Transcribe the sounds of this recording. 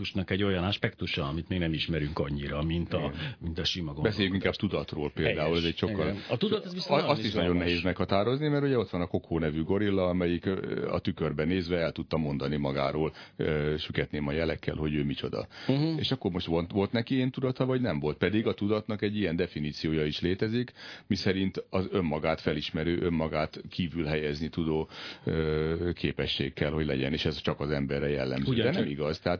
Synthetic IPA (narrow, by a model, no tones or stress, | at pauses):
uʃnɒkɛɟːo̞jɒnɔʃpɛkt̪uʃɒːmit̪meːɡnɛmiʃmɛɾyŋkɒɲːiɾɒmint̪ɒmint̪ɒʃimɒɡobɛseːjyŋkiŋkaːb̚t̪ud̪ɒt̪roːlpeːld̪aːulɛzɛcʃo̞kːɒlt̪ud̪t̪ziɒst̪iʃnɒɟo̞nːɛɦeːzmɛkhɒt̪aːɾo̞znimɛɾuɟɛo̞t̪ʋɒnɒko̞kʰoːnɛvyɡo̞ɾilːɒɒmɛjikɒ̰t̪ykørbɛneːzʋɛɛlt̪ut̪ːɒmo̞nd̪ɒnimɒɡa̰ːɾoːløʃykɛt̪neːmɒjɛlɛkːɛ̰lɦo̞ɟøːmit͡ʃo̞̰d̪ɒ̰ḛːʃɒkːo̞rmo̞ʃt̪ʋoʋo̞lt̪nɛkieːnt̪ud̪ɒt̪ɒvɒɟnɛɱvo̞lt̪̚pɛd̪iɡɒt̪ud̪ɒt̪nɒkɛɟːijɛnd̪ɛfiniːt̪sijoːjɒiʃleːt̪ɛzikmisɛɾint̪ɒzø̞mːɒɡaːt̪fɛliʃmɛɾøːʔø̞mːɒɡaːt̪kʰiːvylɦɛjɛznit̪ud̪oːøkʰeːpɛʃːḛːkːɛlho̞ɟlɛ̰ɟɛ̰neːʃɛzt͡ʃɒkɒzɛmbɛrːɛjɛ̰lːɛ̰mzøːdɛnɛmiɡɒzt̪ɛɦaːt̪